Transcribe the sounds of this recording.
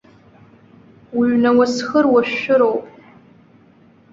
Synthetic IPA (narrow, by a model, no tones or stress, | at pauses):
wiɥnawasxərwaɕʊɾowpʼ